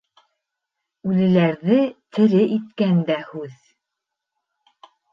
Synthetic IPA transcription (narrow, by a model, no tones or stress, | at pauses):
ʉlɘ̆læɾðɘt̪ʰɘ̆ɾɘʔit̪̚kænd̪æhʉð